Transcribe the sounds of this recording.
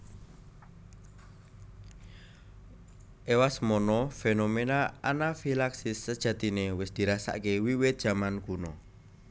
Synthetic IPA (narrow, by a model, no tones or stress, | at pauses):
ʔewasmɔnɔfenomenaanafilaksɪsːəd̥ʒ̥a̤t̪inewɪsd̪̥i̤ɾasa̰ʔkewiwɪt̪̚ʒ̥a̤mankunɔ